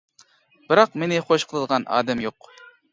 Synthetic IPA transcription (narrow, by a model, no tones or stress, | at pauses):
b̥ɨɾɑqmenɪχoʃqʰəlˠɨd̪əʁɑnʔɑ̰ːd̪ɛmjoq